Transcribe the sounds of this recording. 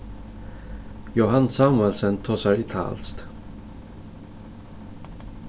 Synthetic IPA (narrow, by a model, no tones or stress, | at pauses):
jʊɦansamvəlsənt̪ʰɔsaɾɪt̪ʰa̰lst̪